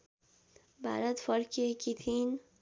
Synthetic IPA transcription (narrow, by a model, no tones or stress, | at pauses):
ba̰ɾad̪fɔɾkʰikʰit̪ʰin